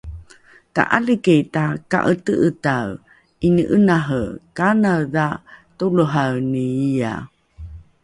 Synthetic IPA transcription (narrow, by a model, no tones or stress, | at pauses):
ta̰ʔaləketaka̰ʔətəʔətaw | inəʔənaɦəkanawðatuluɦawniia̰